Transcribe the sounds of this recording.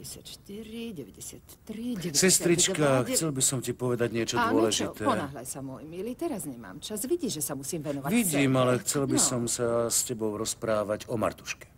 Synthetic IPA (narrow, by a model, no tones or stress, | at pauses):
ɛsaʃt̪iɾiɟɛʋɛɟɛsɪat̪ɾisɛst̪ɾit͡ʃkaxt͡st͡sɛlbisɔmcipɔʋɛd̪aɟɲɪɛt͡ʃɔd̪ʊɔlɛʒiɛpɔnaːɦlajsamɔjmilit̪ɛɾazɲɛma̰ːmt͡ʃazʋiɟiːʒɛsamusiːmʋɛnɔʋaʋiɟiːmalɛxt͡sɛlbisɔmsascɛbɔʊɾɔspɾaːʋaɟɔma̰ɾt̪u̥ʃkɛ̥